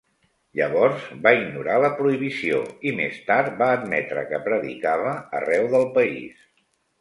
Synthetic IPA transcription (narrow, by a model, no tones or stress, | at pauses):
ʎəβɔɾzbaiɡnuɾaləpɾuiβ̞isio̰imḛst̪aɾt̪baəd̪mɛt̪ɾə̰kəpɾəðḭkaβ̞ə̰ːrɛwðəlˠpəḭs